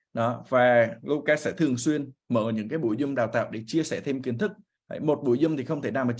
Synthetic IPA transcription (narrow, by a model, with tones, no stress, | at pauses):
ɗɔ˨˦vaː˨˩lu˧kaː˧˥sɛ̰˧˥t̪ʰɨ˨˩əŋswi˧ənməː˧˩ɲɨ̰˧˥ŋkaː˨˦jɓṵ˧˩˨jzʊ˧ŋ͡mɗaː˨˩wt̪aː˧˨wɗe˧˩t͡ɕi˧əsɛ˧˩t̪ʰe˧mki˨˦ənt̪ʰɨ˦˥k̚ | hə̰˨˧˦jmo˨˩t̚ɓu˧˩əjzʊ˧ŋ͡mt̪ʰi˨˩xə˧wŋ͡mt̪ʰe˧˩naː˨˩ma˨˩